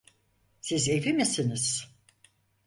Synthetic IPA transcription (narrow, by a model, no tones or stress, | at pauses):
sizevimisiniz̥